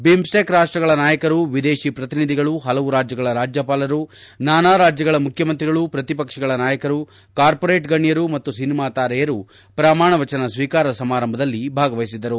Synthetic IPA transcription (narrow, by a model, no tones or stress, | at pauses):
bimsʈeːkɾaːʂʈɾɐɡɐɭɐnaːjɐkɐɾuʋid̪eːʃipɾɐt̪inid̪ʱiɡɐɭuɦɐlɐʋuɾaːd͡ʒjɐɡɐɭɐɾaːd͡ʒjɐpaːlɐɾunaːnaːɾaːd͡ʒjɐɡɐɭɐmukʰjɐmɐnt̪̬ɾiɡɐɭupɾɐt̪ipɐkʂɛɡɐɭɐnaːjɐkɐɾu | kaːɾpoɾeːʈɡɐɳjɐɾumɐt̪ːusinimaːt̪aːɾɛjɐɾu | pɾamaːɳɐʋɐt͡ʃɐnɐsʋiːkaːɾɐsɐmaːɾɐmbʱɐd̪ɐlːibʱaːɡɐʋɐjsid̪ɐɾu